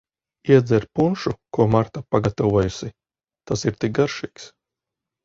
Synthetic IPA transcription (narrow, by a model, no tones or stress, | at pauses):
iɛd̪zɛɾpunʃukuɔmaɾt̪apaɡat̪avuɔjusi | t̪asiɾt̪ik̚ɡaɾʃiːks